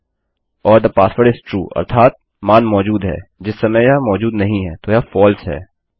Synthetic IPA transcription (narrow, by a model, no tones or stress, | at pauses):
ɔːɾd̪əpaːsfəɾɪzʈɾṵːʔɐ̰ɾt̪ʰaːt̪̚ | maːnmɔːd͡ʒuːd̪ɦɛ̰ːd͡ʒɪsːɐməjjmɔːd͡ʒuːd̪nɐɦĩɦɛːt̪oːjafɔːlsɦɛ̰ː